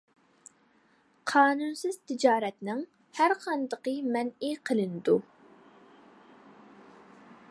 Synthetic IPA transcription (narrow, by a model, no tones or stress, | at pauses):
qʰɑːnunsɪz̥t̪ʰɪd͡ʒɑːɾɛt̪nɪŋ | hæɾqʰɑnd̪əqəmɛniqʰəlˠɨnɨd̪u